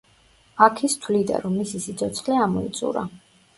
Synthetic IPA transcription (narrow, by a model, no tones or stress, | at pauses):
akʰist̪ʰwlid̪a̰ɾɔmːisisit̪sʰɔt̪sʰχlɛamɔḭt̪sʼṵɾa̰